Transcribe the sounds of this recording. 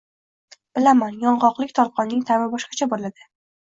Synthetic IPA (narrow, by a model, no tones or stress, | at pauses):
b̥ɪlamanjɒɴʁɒqlˠɪk̚ʲt̪ʰɒɾ̚qʰɒnːɪŋt̪ʰavɪbɒʃqɑ̥t͡ʃʰabollad̪ɪ